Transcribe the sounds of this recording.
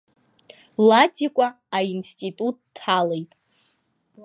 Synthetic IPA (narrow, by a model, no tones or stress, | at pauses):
latʰʼikʷʼaː | instʼitʼut̚ʼːʰ | alejtʼ